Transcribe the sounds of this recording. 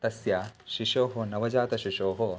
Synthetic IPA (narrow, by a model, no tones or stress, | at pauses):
t̪ɐsjaːʃiʃoːɦonɐʋɐd͡ʒaːt̪ɐʃiʃoːɦo